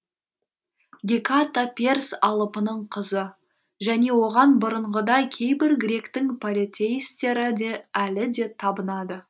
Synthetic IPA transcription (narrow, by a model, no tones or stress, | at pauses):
ɡʲekat̪apʲe̞rsɑlˠəpənəɴqʰəzə | ʒæne̞wo̞ʁɑnbʊɾəɴʁəd̪ɑjkʲʰe̞jbɪɾɡɾe̞kt̪ɪŋpʰolʲit̪ʲe̞jst̪e̞ɾɪd̪e̞ælɪd̪e̞t̪ʰɑbənɑd̪ə